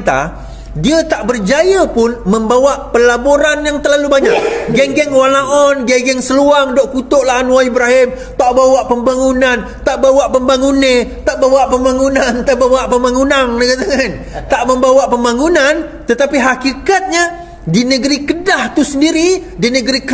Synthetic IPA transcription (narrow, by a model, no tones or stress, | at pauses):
t̪a̰ | diət̪aʔbərd͡ʒajəpʊnmə̃mbawaʔpəlaboɾanjaŋt̪əlalubaɲaʔ̚ɡɛŋɡɛŋwalaʔɔnɡɛɡɛŋsəluaŋdoʔkut̪oʔlaɦanwaibɾaɦɪm | t̪aʔbawaʔpəmbaŋunant̪aʔbawaʔpəmbaŋunet̪aʔbawaʔpəmbaŋunant̪aʔbawaʔpəmbaŋunaŋnəkat̪aŋan | t̪aʔmə̃mbawaʔpəmbaŋunant̪ət̪apiɦakikat̪̚ɲa | dinəɡəɾikədaht̪usəndiɾidinəɡəɾik